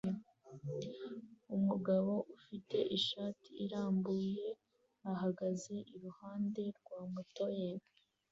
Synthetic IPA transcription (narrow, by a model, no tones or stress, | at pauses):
umuɡaβo̞ʔufite̞ʔiʃaːtʰiiɾaːmbuːje̞ | aɦaɡaze̞ʔiɾuhaːnde̞ɾɡwaːmuto̞je